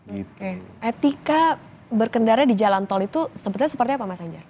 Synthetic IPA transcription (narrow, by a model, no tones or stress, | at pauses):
okeet̪ika | bərkəndarɾɲadid͡ʒalant̪ɔlit̪usəbət̪ɲasəpərt̪iapamasaŋd͡ʒa